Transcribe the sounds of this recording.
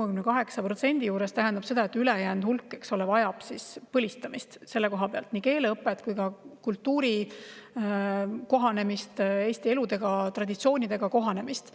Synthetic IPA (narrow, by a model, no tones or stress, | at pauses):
ekymnekɑɦe̞ksɑpɾro̞t̪se̞nʲd̪̥ijuːɾe̞st̪æɦænd̪̥ɑb̥se̞d̪̥ɑe̞t̪ːˑylejæːnd̪hulkːˑe̞kso̞levɑjɑb̥sispɤlʲist̪ɑmist̪se̞lːe̞ko̞ɦɑpeɑlt̪ˑnike̞ːleɤpːˑe̞t̪kujkɑkult̪ːuːɾi | ko̞ɦɑne̞mist̪e̞ːst̪ie̞lud̪e̞ɡ̥ɑt̪rɑd̪̥ʲit̪sio̞ːnʲid̪̥e̞ɡ̥ɑko̞ɦɑne̞mist̪